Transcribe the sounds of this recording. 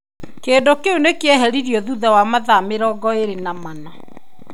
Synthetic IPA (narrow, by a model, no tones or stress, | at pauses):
keːndokeonekeɛɦɛɾiɾiɔðuðawamaðameɾɔɡɔeɾenamana